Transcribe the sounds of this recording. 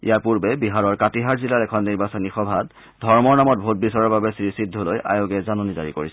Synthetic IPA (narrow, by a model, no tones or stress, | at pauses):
ḭjaɹpuɹbɛbiɦaɹɔɹkatiɦaɹzilaɹɛkʰɔnːiɹbasɔnixɔbʱat | dʱɔɹmɔɹnamɔt̚bʱot̚bisɔɹɔɹbabɛsiɹisidʱːɔloja̰joɡɛzanɔnizaɹikoɹis